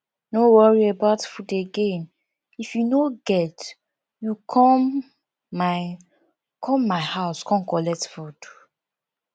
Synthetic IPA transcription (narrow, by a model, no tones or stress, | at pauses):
nowɔɹiebaʊtfudeɡẽn | ifjunoɡɛt | jukʰɔmː | a | kʰɔ̃mːaɪhaʊskɔ̃nkɔlɛk̚tfud̥